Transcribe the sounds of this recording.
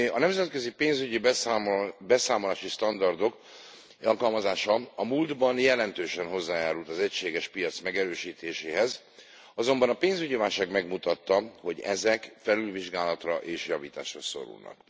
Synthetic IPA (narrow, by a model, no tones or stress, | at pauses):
ɒnɛmzɛt̪køzipeːnzyɟib | bɛsaːmolaːʃiʃt̪ɒnd̪ɒrd̪o̞k | ɒlkɒlmɒzaːʃɒɒmuːld̪bɒnjɛlɛnt̪øːʃɛnɦo̞zːaːjaːɾult̪ɒzɛcʃeːɡɛʃpijɒt̪smɛɡɛɾøːʃiːt̪ʰeːʃeːɦɛz | ɒzo̞mbɒnɒpeːnzyɟivaːlʃaːɡmɛɡmut̪ɒt̪ːɒho̞ɟɛ̰zɛkfɛlylviʒɡaːlɒt̪rɒʔeːʃjɒvḭːt̪a̰ːʃrɒso̞̰ɾṵlnɒ̰k